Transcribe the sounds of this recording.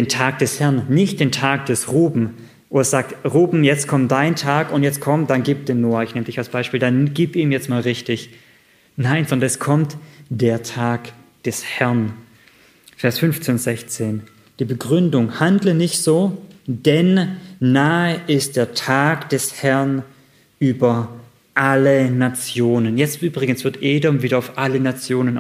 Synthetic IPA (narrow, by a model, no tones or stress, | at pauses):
d̥eːntʰaːk̚d̥ɛshɛɐnːɪçt̚d̥eːntʰaːk̚d̥ɛsʁuːbm̩ | ʔoːdɐz̥aːk̚tʁuːbm̩jɛt͡stkʰɔmtd̥aɪntʰaːkʊntjɛt͡stkʰɔmtd̥anɡiːp̚d̥eːnːoːɐɪçnɛmədɪçalsb̥aɪʃpiːldanɡ̥iːpiːmjɛt͡stmaːlʁɪçtɪç | naɪnzɔndɐnɛskʰɔmtd̥eːɐtʰaːk | d̥ɛshɛɐn | fɛːɐsfʏnft͡seːnz̥ɛçt͡seːn | d̥iːbəɡʁʏndʊŋhandlənɪçtz̥oːd̥ɛnːaːəʔɪst̚d̥eːɐtʰaːkd̥ɛshɛɐn | ʔyːbɐ | ʔalənat͡sjoːnənjɛt͡stʔyːbʁɪɡən̩sv̥ɪɐtʔeːdɔmviːdɐaʊfʔalənat͡sjoːnən